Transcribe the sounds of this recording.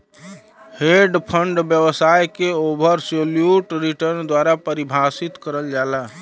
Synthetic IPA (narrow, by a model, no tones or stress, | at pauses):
heɖpʰəɳɖbjəbəsajkeobʱəɾsoljuʈɾiʈəɾnd̪waɾapəɾibʱasit̪kəɾəld͡ʒala